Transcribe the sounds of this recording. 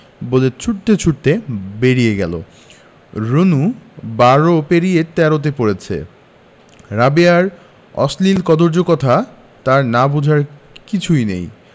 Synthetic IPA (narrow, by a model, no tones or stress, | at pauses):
bolet͡ɕʰuʈt̪et͡ɕʰuʈt̪ebeɾieɡɛ̰lo̰ | ɾonubaɾopeɾijet̪ɛɾot̪̬epoɾet͡ɕʰḛ | ɾabeaɾ | ɔ̰slilkɔd̪oɾd͡ʑokɔt̪ʰa | t̪aɾnabud͡ʑʱaɾ | kit͡ɕʰujnḛj